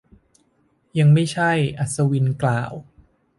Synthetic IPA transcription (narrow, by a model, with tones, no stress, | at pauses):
ja˧ŋma˥˩jt͡ɕʰa˥˩jʔa˨˩t̪̚sa˧wi˧nklaː˨˩w